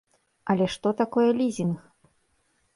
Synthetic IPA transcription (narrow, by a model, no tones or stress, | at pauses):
ɐlʲɛʂt̪ɔt̪akɔjɛlʲizʲinx